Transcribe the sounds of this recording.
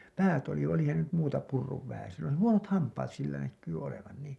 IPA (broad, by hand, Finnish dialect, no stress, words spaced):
pæːt oli olihɑn se nyt muːtɑ purːuʋ ʋæhæsen̞ silː oli huonot hɑmpɑːt silːæ nækːyː oleʋɑn niː